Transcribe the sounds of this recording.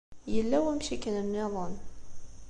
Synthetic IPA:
jəlːæwæmʃikənənːiðˤɑn

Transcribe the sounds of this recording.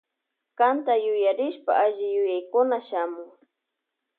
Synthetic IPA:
kant̪ajʊjaɾɪʃpa̰ʔaʒɪjʊjajkʊnaʃamʊŋ

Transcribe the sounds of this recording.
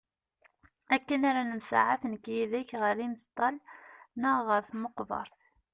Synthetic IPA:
ækːənaɾanəmsa̰ʕa̰fnkːjiðæçʁəɾimst̪ˤːɑlnəʁəɾθməqvɑ̰ɾˤθ

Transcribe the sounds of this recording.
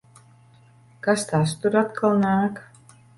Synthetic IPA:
kast̪ast̪uɾat̪kʰalˠnaːk

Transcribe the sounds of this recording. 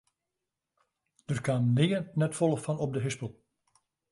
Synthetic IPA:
d̥ərkaːmnɪənɛtfɔlˠəfɑnɔb̚dəɦɪspəlˠ

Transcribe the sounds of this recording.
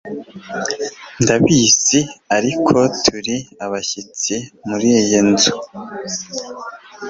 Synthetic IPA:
ndaβiːsiaɾikʰo̞tʰuɾiaβaçit͡simuɾijojenzo

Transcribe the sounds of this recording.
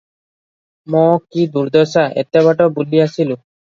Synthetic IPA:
mɔ̃kid̪uɾd̪ɔsaʔḛt̪ːɛβaʈɔbuliasilu

